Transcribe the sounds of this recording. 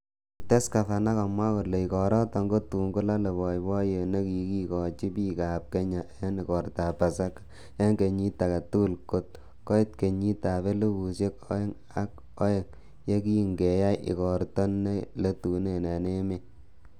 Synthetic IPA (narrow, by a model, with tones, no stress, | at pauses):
te˦ska˨fa˨na˦ka˨mwa˦ko˨le˨i˨kɔ˨ɾɔ˦tɔ˨ŋɡo˦tu˨ŋɡu˦la˦le˨bɔ˨jbɔ˦je˨ne˦ki˨˦ki˦kɔ˨t͡ʃi˦pi˦ka˨p̚ke˦ɲa˨je˦nɪ˨kɔ˨ɾta˨pa˨sa˦kḁ˨ | ja˦ŋɡe˨ɲi˦ta˨ka˨tu˦ku˦˨lko˦t̚ | kɔ˦i˦t̚ke˨ɲi˦ta˨βe˦le˦ku˨sje˦kɔ̰˦e˦ŋ | a˦k̚ | ɔ˦je˨ŋ | je˦ki˦˨ŋɡe˨ja˦jʔɪ̰˨kɔ˨ɾtɔ˦nːe˦le˦tu˨ne˨na˨ne˦me˦